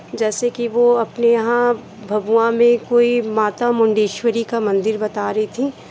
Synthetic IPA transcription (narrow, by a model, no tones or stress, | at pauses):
d͡ʒɛːsekiʋoɐpneɐɦã | bʱɐbuãmẽkoːimaːt̪amʊ̃ɳɖeːʃwəɾikamɐ̃nd̪ɪɾbɐt̪aːɾɐɦit̪ʰĩː